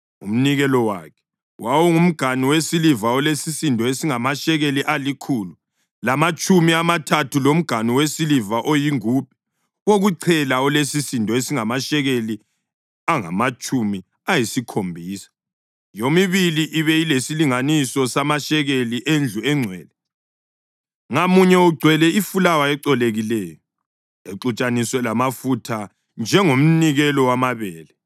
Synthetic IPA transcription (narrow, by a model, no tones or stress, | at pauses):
ṵm̩niɣɛlɔwa̰kʰɛ̥ | wawɔŋum̩ɡ̥ʱaniwesilivaɔlesisindʱɔesiŋamaʃɛɣeliʔalikʰuːlu | lamat͡ʃʼumiamatʰatʰulom̩ɡ̥ʱaniwesilivaʔojiŋuːp̚ɛ̥ | woɣuǀʰɛlaɔlesisindʱɔesiŋamaʃɛɣeli | aŋa̰mat͡ʃʼumi | ajisikʰombʱiːsḁ | jomiβiliʔiβɛilesiliŋanisɔsamaʃɛɣeliʔend͡ɮʱuɛŋ͡ǀʱwɛːlɛ | ŋamuɲɛuɡ͡ǀʱwɛlɛifulawaɛǀɔleɣilɛːjɔ | eǁut͡ʃʼanisɔlamafutʰa | nd͡ʒʱɛŋom̩niɣɛlɔwamaβɛːlɛ